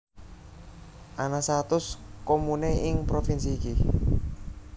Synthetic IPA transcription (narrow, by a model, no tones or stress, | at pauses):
ʔanasat̪ʊskomuneɪŋpɾofinsiːki